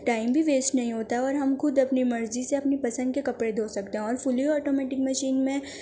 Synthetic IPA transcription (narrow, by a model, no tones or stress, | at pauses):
ʈaːɪmbʱiʋeːsʈnɐɦĩɦoːt̪aɦɛɔːɾɦɐmxʊd̪ɐpnimɐɾziseɐpnipɐsə̃nd̪̚kekɐpɽed̪ʱoːsɐk̚t̪eɦɛ̃ɔːɾfʊlioɔːʈomɛːʈɪkmɐʃiːnmẽ